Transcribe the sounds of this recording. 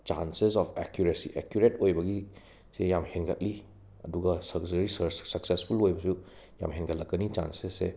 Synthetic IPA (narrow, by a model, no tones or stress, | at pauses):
t͡ʃa̰nsesɔpʰekjuɾesiʔekjuɾetojbɐɡi | sejamhenɡɐt̚li | ɐ̰duɡɐsɐk̚zɐɾissɐksespʰulojbɐsu | ja̰mɦenɡɐtlɐkːɐnit͡ʃa̰nsesːe